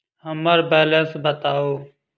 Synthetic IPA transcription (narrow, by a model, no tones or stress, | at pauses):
ɦəməɾbɛːlə̃nsbʱət̪aːɦoː